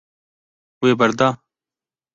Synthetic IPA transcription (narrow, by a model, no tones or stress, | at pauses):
weːbɐɾd̪aː